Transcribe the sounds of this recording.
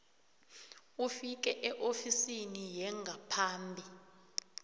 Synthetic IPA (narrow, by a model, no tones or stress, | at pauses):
ufik̬ɛʔɛʔofisinijɛŋɡʱapʰaːmbʱi